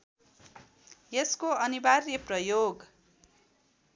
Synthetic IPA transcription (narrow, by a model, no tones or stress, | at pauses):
jeskoʌnibarjʌprʌjoɡ